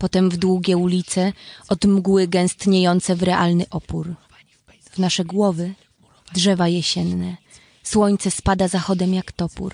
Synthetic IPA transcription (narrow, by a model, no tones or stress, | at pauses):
pɔt̪ɛmvd̪wuɡʲɛulʲit̪sɛɔd̪mɡwɘɡɛ̃w̃st̪ɲejɔnt̪sɛvɾɛʔalnɘʔɔpuɾ | vnaʂɛɡwɔvɘ | dʐɛvajɛɕɛnːɛ | swɔɲt̪sɛspad̪azaxɔd̪ɛmjakt̪ɔpṵɾ